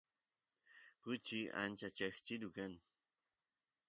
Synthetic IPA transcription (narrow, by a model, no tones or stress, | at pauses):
kʊt͡ʃia̰nt͡ʃat͡ʃaxt͡ʃidukan